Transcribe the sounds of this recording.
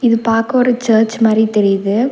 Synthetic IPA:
ɪðɯpaːɾkɐɔɾɯt͡ʃɐːɾt͡ʃmaːd̪ɾit̪ɛɾɪjðɯ

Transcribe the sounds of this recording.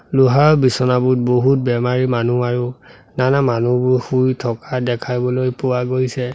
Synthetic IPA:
luɦaɹbisɔnabʊt̚boɦut̚bɛmaɹimanuaɹu | nanamanubʊxujtʰɔkadɛkʰajbɔlojpuwaɡojsɛ

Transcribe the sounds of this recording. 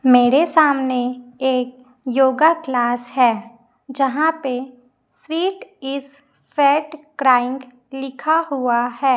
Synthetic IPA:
meːɾesaːmneeːk̚ | joːɡaklaːsɦɛː | d͡ʒɐɦãpe | swiːʈɪs | fɛːʈkɾaːɪ̃ŋɡ | lɪkʰaɦuahɛː

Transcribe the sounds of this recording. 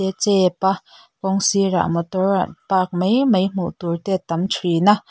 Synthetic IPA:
ɛt͡sɛpa | kɔŋsiɾa̰mɔt̪ɔɹa̰tpaːk̚mejmejm̥ṵt̪uɹt̪ɛːt̪ɐmtʰɹina

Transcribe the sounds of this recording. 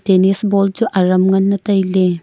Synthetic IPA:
tenisbɔld͡ʒuʔɐɾɐmŋɐnːɐtɐjle

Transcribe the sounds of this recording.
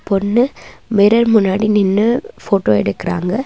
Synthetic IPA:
pɔnːɯmɛɾɐɾmʊnːaːɽinɪnːɯfoːʈoːɛɽɯkːɪɾa̰ːŋɡɐ

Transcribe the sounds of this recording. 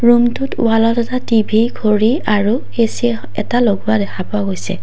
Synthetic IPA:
ɹumtʊtṵalɔtɛtatibʱiɡʱoɹi | aɹu | esiɛ | ɛ̰taloɡuadɛkʰapʊaɡojsɛ̰

